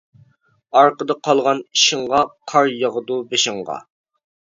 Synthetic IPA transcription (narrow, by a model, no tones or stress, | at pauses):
ɑɾqəd̪ɑqʰɑlˠʁɑni̥ʃɪŋʁɑqʰɑɾjəʁəd̪ubeʃɪɴʁɑ̰